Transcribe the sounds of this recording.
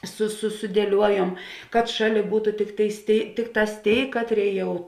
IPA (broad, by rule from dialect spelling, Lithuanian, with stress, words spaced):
sʊ sʊ sʊdʲiɛˈlʲuɔjuɔm kɐt ˈʃɑːˌlʲeː ˈbuːtʊ ˈtʲɪkˌtʲeːɪs ˈtʲeːɪ ˈtʲɪkˌtɑːs ˈtʲeːɪ ˈkɑːtʲˌrʲeːɪ ˈjɛʊ